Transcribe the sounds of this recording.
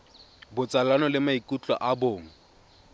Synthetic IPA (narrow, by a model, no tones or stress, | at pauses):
bʊt͡sʼalanɔlɪmaikʼut͡ɬʼɔ̰ʔaboːŋ̩